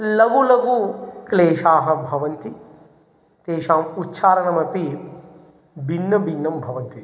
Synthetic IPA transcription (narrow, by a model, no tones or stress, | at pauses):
lɐɡulɐɡukleːʃaːɦɐbʱɐʋɐnt̪i | t̪eːʃaːmut̪ːʃʰaːɾɐɳɐmɐpi | bʱinːɐbʱinːɐmbʱɐʋɐnt̪i